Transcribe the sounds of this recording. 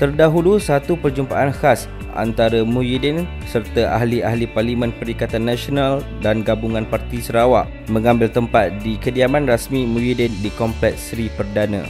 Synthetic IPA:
t̪ərdaɦulusat̪upərd͡ʒumpaʔanhas | ʔa̰nt̪aɾamũjidɛn | sərt̪aʔaɦliahliparlimə̃npəɾikat̪anːãsional | danɡabuŋãnpart̪isəɾawaʔ | mə̃ŋãmbɪlt̪əmpat̪̚dikədiamãnrasmĩmũjidɛndikɔmplɛt̪̚sɾipərdanã̰

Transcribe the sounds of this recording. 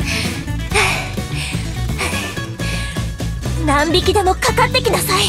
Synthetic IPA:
nãmbʲikʲid̪emo̞kakat̪ːekʲinasai

